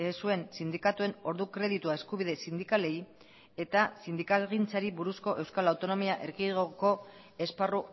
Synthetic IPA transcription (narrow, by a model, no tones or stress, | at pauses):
sue̞nsind̪ikat̪ue̞no̞ɾðukɾe̞ð̞it̪uaeskuβiðe̞sind̪ikale̞j | e̞t̪asind̪ikalɣint͡saɾiβuɾusko̞ʔe̞wskalawt̪o̞no̞miaʔe̞ɾɣiɣoko̞ | e̞sparu